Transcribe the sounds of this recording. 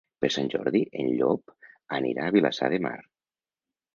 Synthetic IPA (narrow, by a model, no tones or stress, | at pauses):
peɾsanʲʒɔɾðiʔenʎɔpanḭɾaːβilasa̰ðema̰ɾ